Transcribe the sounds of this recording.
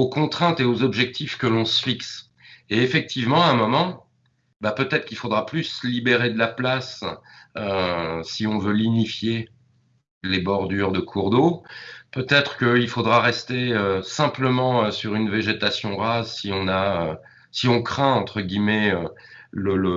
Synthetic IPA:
okɔ̃t̪χɛ̃t̪eozɔbʒɛk̚t̪ʰifkəlɔ̃səfiks | eefɛk̚t̪ʰivmɑ̃aɛ̃mɔmɑ̃ | bapøt̪ɛt̪χkilfod̪ʁaplyslibeʁed̪əlaplas | øsiɔ̃vølinifje | lebɔʁd̪yʁd̪əkʰuʁd̪opøt̪ɛt̪χə̥kəilfod̪ʁaʁɛst̪eøsɛ̃pləmɑ̃øsyʁynveʒet̪asjɔ̃ʁazsiɔ̃naø | siɔ̃kχɛ̃ɑ̃t̪χəɡʲimɛølələ

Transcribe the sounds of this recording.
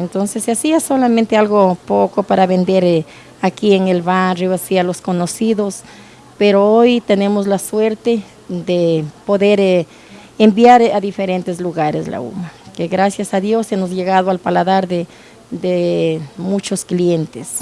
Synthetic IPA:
ent̪onsesːeasiasolament̪ealɣopokopaɾaβend̪eɾ | akieŋelβarjoasialoskonosiðos | peɾoojt̪ene̞mozlaswe̞ɾt̪e | d̪epoðeɾ | embjaɾaðifeɾent̪ezluɣaɾezla̰ṵmakeɣɾasjasaðjo̞semozʝe̞ɣaðoalpalaðaɾðe | d̪emut͡ʃoskljent̪es

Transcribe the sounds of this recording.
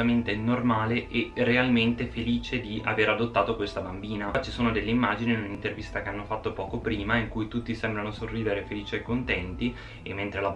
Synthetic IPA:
ament̪enormaːleʔɛrealment̪efeliːt͡ʃed̪ia̰veːɾad̪ot̪ːaːt̪okwest̪abambiːnat͡ʃisoːnod̪elːeimːaːd͡ʒiniːnunint̪ervist̪akeanːofat̪ːopɔːkopɾiːmaiŋkujt̪ut̪ːisɛmbɾanosorːiːd̪eɾefeliːt͡ʃiekːont̪ɛnt̪i | emːent̪ɾela

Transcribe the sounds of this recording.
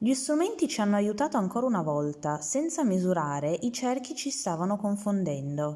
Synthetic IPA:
ʎist̪ɾumɛnt̪it͡ʃianːoajut̪aːt̪oaŋkoːɾaunavɔlt̪asɛnt̪samizuɾaːɾeʔit͡ʃɛrk̟it͡ʃist̪aːvanokoɱfond̪ɛnd̪o

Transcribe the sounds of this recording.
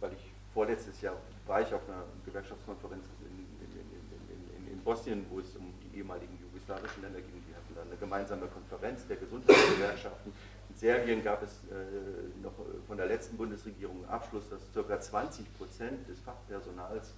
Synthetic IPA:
vaɪlɪç | foːɐlɛt͡stəsjaːɐ | vaːɐɪçaʊfnɐɡ̥əvɛɐkʃaft͡skʰɔnfəʁɛnt͡s | ɪ̰n̰ | n̰ | ɪ̰ɪnɪ̰nɪ̰nɪ̰nbɔsnijənvoːɛsʊmd̥iːʔeːəmaːlɪɡŋ̩juɡoslaːvɪʃn̩lɛndɐɡɪŋviɐhatn̩danəɡəmaɪnzaːməkʰɔnfəʁɛnt͡sd̥eːɐɡəzʊnthaɪt͡sɡ̥əvɛɐkʃaftn̩ | mɪtz̥eːɐbiənɡaːpɛs | ɛːnɔχfɔndeːɐlɛt͡stn̩bʊndəsʁeɡiːʁ̞ʊŋʔa̰pʃlʊsd̥ast͡sɪɐkɐt͡sv̥ant͡sɪçpʁ̥ot͡sɛntd̥ɛsfaχpʰɛɐzonaːls

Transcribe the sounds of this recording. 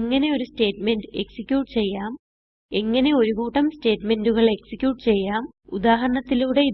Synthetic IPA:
ŋːɐne̞o̞ɾuste̞ːʈme̞ndɨeksikʲjuːʈɨ̥t͡ɕe̞jːaːm | eŋːɐne̞o̞ɾuɣuːʈːɐmste̞ːʈme̞nduɣɐɭe̞ksikʲjuːʈːɨt͡ɕe̞jːaːm | ud̪aːɦɐɾɐɳɐt̪ːiluːɽe̞i

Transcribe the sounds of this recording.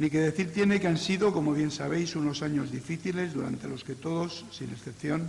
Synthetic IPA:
nike̞ðe̞θiɾt̪je̞ne̞keansiðo̞ko̞mo̞β̞je̞nsaβ̞e̞jsuno̞saɲo̞zðifiθile̞zðuɾa̰nt̪e̞lo̞ske̞t̪o̞ðo̞sːine̞sθe̞pθjo̞n

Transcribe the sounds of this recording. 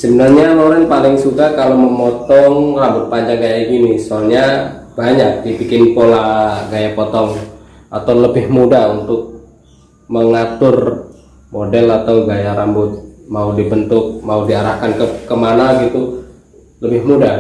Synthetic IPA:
səbənarɲanoɾɛnpalɪŋsukakaloməmɔt̪ɔŋrambʊt̪̚paɲd͡ʒaŋɡajaɡinisɔlɲa | b̥aɲak̚dibikɪnpolaɡajapɔt̪ɔŋ | ʔat̪awləbɪhmudaunt̪ʊk̚ | məŋat̪ʊr | modɛlat̪auɡajaɾambʊt̪̚maudibənt̪ʊk̚maudiaɾahkankəkəmanaɡit̪u | ləbɪhmuda

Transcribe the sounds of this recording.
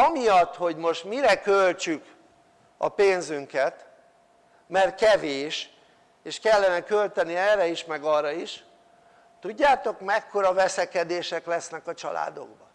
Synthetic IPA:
ɒmijɒt̪ːho̞ɟmo̞ʃt̪miɾɛkølt͡ʃyk | ɒ̰peːnzyŋkɛt̪ | mɛrt̪̚kɛveːʃ | eːʃkɛlːɛnɛkølt̪ɛniɛːɾɛiʃmɛɡɒrːɒiʃ | t̪uɟːaːt̪o̞kmɛkːo̞ɾɒvɛsɛkɛd̪eːʃɛklɛsnɛkɒt͡ʃɒ̰la̰ːd̪o̞̰ɡbɒ

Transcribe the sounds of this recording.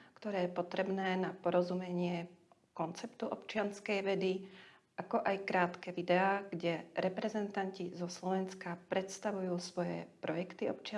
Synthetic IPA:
kt̪ɔɾɛːjɛpɔt̪ɾɛbnɛːnapɔɾɔzumɛɲɪɛkɔnt͡sɛpt̪uʔɔpt͡ʃɪanskɛjʋɛd̪i | ʔakɔʔajkɾaːt̪kɛːʋid̪ɛaːɡɟɛɾɛpɾɛzɛnt̪ancizɔslɔʋɛnskapɾɛt̪st̪aʋujuːsʋɔjɛ̰pɾɔjɛkt̪iɔ̰pt͡ʃɪa

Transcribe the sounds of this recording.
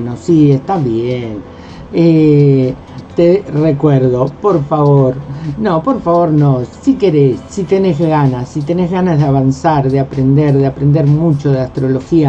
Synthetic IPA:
nosiest̪aβjen | e | t̪erekweɾðo̞po̞ɾfaβoɾnõpoɾfaβo̞ɾnõsike̞ɾesːit̪e̞ne̞zɣanasːit̪enezɣanazðeaβansaɾðeapɾend̪eɾðeapɾend̪eɾmut͡ʃo̞ðeast̪ɾo̞lo̞xia

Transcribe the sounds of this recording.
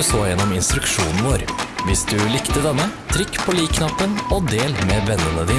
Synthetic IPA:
soːjɛnːɔmɪnst̪ɾʉkʃuːnn̩ʋoːɾʋɪsd̪ʉlɪkt̪əd̪ɛnːət̪ʰɾɪkːpʰɔliːkʰnɑpːənɔd̪eːlmeːʋɛnːənəd̪iː

